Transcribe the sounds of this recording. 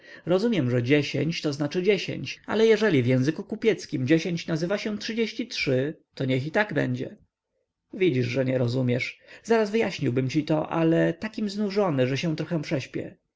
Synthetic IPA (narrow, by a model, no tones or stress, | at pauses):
ɾɔzumʲjɛmʐɛd͡ʑeɕḛɲt͡ɕt̪ɔznat͡ʂɘd͡ʑeɕḛɲt͡ɕa̰lɛjɛʐɛlʲivjɛ̃w̃zɘkukupʲjɛt̪skʲimd͡ʑeɕeɲt͡ɕnazɘvaɕɛ̃tʂɘd͡ʑeɕt͡ɕitʂɘt̪ɔɲɛxit̪aɡbɛ̰ɲd͡ʑɛ̰ | vʲid͡ʑiʐʐɛɲɛɾɔzumʲjɛʂz̥aɾazvɘjaɕɲiwbɘmt͡ɕit̪ɔʔa̰lɛt̪akʲimznuʐɔnɘʐɛɕɛ̃t̪ɾɔxɛ̃pʂɛɕpʲjɛ̰